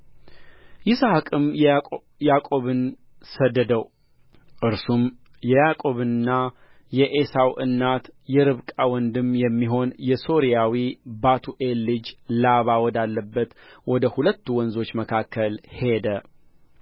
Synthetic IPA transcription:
jɪsahkʼɨmj | jakʼo̞βɨn | səd̪ːəd̪əw | ʔɨɾsum | jɛjakʼo̞βɨɨnːa | jɛʔesawʔɨ̰nːat̪jɛɾɨβkʼawɔnd̪ɨmjɛmːiɦo̞njɛso̞ɾijawibat̪ʰuʔe̞lːɨd͡ʒlaβawɔd̪alːəbːət̪wɔd̪əhulət̪ːuwɔnzo̞t͡ʃːməkʰakʰːəlhe̞d̪ə

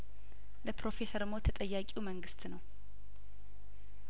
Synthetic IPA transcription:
ləpɾo̞fe̞səɾmot̪ʰət̪ʼəjːakʼiwməŋɡɨst̪nəw

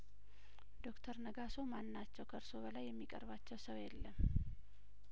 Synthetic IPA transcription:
d̪o̞kt̪ʰəɾnəɡaso̞manːat͡ʃːɛwkʰəɨɾso̞bəlajːɛmːikʼə̰ɾbat͡ʃːɛwsəwjɛlːəm

